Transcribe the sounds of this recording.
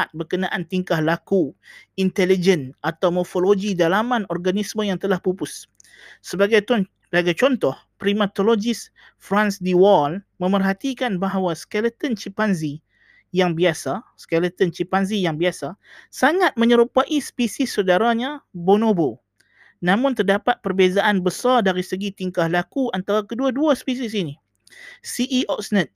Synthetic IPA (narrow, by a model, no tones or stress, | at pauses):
at̪̚bərkənãʔant̪iŋkahlakuint̪ɛlid͡ʒənʔat̪awmɔrfoloɡidalamãnɔrɡanismə̃jaŋt̪əlahpupʊsː | əbaɡajt̪ɔ | baɡajt͡ʃɔnt̪ɔh | pɾimat̪olod͡ʒɪs | fɾansdiwɔlmə̃mərɦat̪ikanbaɦawaskɛlət̪ənt͡ʃipanzi | jaŋbiasaskɛlət̪ənt͡ʃipanzijaŋbiasasaŋat̪̚mə̃ɲəɾupaʔispisɪsːədaɾaɲãbonõbo | nãmʊ̃nt̪ərdapat̪̚pərbezaʔanbəsardaɾisəɡit̪iŋkahlakuant̪aɾakəduaduaspis̬is̬ini | siʔiʔɔksnət̪̚